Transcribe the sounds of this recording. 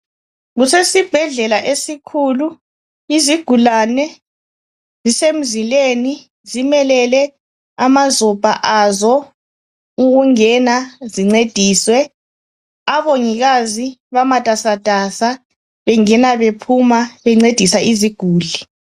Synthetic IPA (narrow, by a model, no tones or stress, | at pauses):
ɣusesib̥ʱɛɮɛlaʔesikʰuːlu | iziɡ̥ʱulanɛ | zisem̩zileni | zimɛlɛlɛ | amazɔb̥ʱa̰ʔazɔ | uɣuŋɛnaziŋ͡ǀed̥ʱiːswɛ | aβoŋiɣaziβamatʼasad̥ʱʼasa | βɛŋɛnaβepʰumaβɛŋ͡ǀed̥ʱisaʔiziɡ̥ʱuːɮi